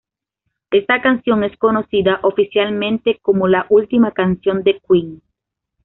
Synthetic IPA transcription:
est̪akansjo̞ŋeskonosiðaʔofisjalmẽnt̪ekomolaʔult̪imakansjond̪ekwiŋ

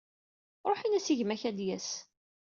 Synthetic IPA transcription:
ɾˤoħinæsiʝmæçæd̪jæs

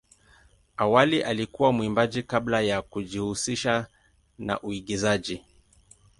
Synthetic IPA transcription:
awaliʔalikuwamwimbaʄikablajakuʄihusiʃa | na̰ʔuiɠizaʄi

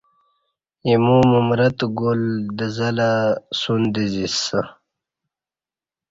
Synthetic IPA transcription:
jimumumɾɐt̪ɡold̪əzɐlasund̪izisa

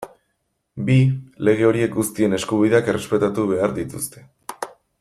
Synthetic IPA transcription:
bile̞ɣ̞e̞o̞ɾie̞k̚ɡust̪ie̞ne̞skuβ̞iðe̞ake̞re̞spe̞t̪at̪uβe̞aɾðit̪ust̪e̞̥

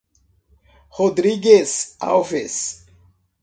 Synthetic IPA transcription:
hod̪ɾiɡesa̰wves

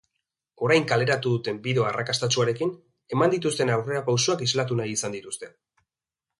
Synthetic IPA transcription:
o̞ɾajŋkale̞ɾat̪uðut̪e̞mbiðo̞arakast̪at͡ʃuaɾe̞kin | e̞mand̪it̪ust̪e̞nawre̞ɾapawsoakizlat̪̬unajisand̪it̪ust̪e̞

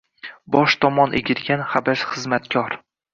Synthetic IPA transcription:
bɒʃt̪ʰɒmɒnʔḛɡʲɪɾɡʲanχabaʃχɨzmat̪kʲʰɒɾ

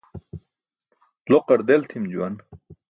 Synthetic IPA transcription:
loqɐɾd̪elt̪ʰimd͡ʑuwɐn

